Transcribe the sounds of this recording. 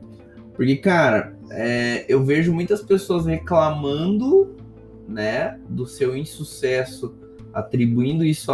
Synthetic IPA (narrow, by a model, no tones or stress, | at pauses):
pʊɾkekaɾɐ̰ | ɛewveʒʊmũj̃t̪ɐspesoɐsheklamɐ̃nd̪ʊ | nɛd̪ʊsewĩsusɛsʊ | a̰t̪ɾibuĩnd̪ʊisʊ